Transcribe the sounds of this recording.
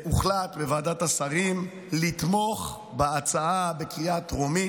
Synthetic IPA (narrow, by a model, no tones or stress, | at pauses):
uχlatbevaːdatasaʁim | lit̪mo̞χ | beat͡saabe̞kʁiatʁomi